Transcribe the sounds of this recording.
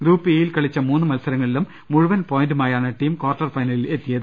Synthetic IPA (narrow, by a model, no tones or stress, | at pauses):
ɡɾuːpːɨejilkɐɭit͡ɕːɐmuːnːɨmɐlsɐɾɐŋːɐɭilumːuɻuʋɐnpo̞ːjindumaːjaːɳɨʈiːmkoːrʈːɐrfɐjnɐlile̞t̪ːijɐðɨ